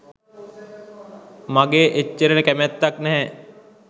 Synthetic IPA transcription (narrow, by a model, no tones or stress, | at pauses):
maɡeːʔet͡ʃːəɾənəkæmæt̪ːaknɛɦɛ